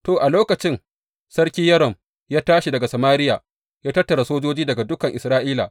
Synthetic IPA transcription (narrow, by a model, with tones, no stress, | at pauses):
toː˨ʔa˨loː˦kɐ˨t͡ʃɪ˦ŋ | sɐ˦rkʲi˦jɐ˦ɾɔ˨m | jaː˦taː˦ʃi˨dɐ˨ɡa˨sɐ˨maː˦ɾɪ˦jaː˨ | jaː˦tɐ˦tːɐ˨ɾa˨soː˦d͡ʒoː˦d͡ʒiː˦dɐ˨ɡa˨dʊ˦kɐ˨ŋʔɪ˨sɾaː˦ʔiː˦la̰˨